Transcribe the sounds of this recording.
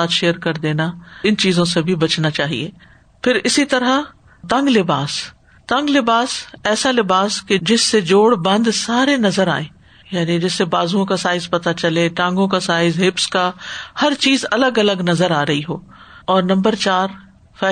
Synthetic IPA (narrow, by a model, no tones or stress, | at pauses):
aːt̪ʃeːəɾkɐɾd̪eːnaɪnt͡ʃiːzõsebʱibɐt͡ʃnat͡ʃaːɦḭḛː | pʰɪɾɪsit̪ɐɾa | t̪ɐ̃ŋɡlɪbaːs | t̪ɐ̃ŋɡlɪbaːsɛːsalɪbaːsked͡ʒɪsːed͡ʒoːɽbɐ̃nd̪saːɾenɐzəɾa̰ːẽː | jaːnid͡ʒɪsːebaːzuõkasaːɪzpɐt̪at͡ʃɐleʈãːŋ̆ɡõkasaːɪzɦɪpskahɐɾt͡ʃiːzɐləɡɐləɡnɐzəɾaːɾɐɦiɦoː | ɔːɾnɐ̃mbəɾt͡ʃaːɾ | fɛː